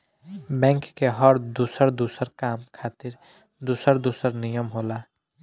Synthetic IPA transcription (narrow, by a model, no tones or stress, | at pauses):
bɛ̃ːŋkːeɦɔɾd̪uːsəɾd̪uːsəɾkaːmkʰaːt̪ɪɾ | d̪uːsəɾd̪uːsəɾnijəmɦoːlaː